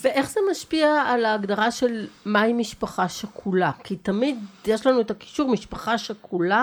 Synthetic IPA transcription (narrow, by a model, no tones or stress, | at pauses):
veʔe̞χzemaʃpiaːlaːɡdaʁaʃe̞lmaimiʃpaχaʃekʰulakitamidjeʃlanuetaki̥ʃuʁmiʃpaχaʃekʰula